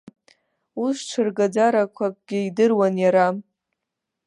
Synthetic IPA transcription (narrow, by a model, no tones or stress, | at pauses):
uʂʈ͡ʂʰɨrɡad͡zaɾakʷʰakʼɡʲɪidɨrwanjaɾa